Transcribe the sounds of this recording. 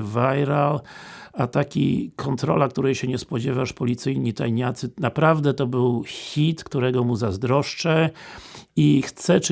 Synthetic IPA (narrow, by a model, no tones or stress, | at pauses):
vajɾalat̪akʲḭkʰɔnt̪ɾɔ̰lak̚t̪uɾɛjɕɛɲɛspɔd͡ʑɛvaʂpɔlʲit̪sɘjɲit̪ajɲat̪sɘnapɾavd̪ɛt̪ɔbɘwxʲit̪kt̪uɾɛɡɔmuzazd̪ɾɔʂt͡ʂɛ | ixt̪sɛt͡ʂ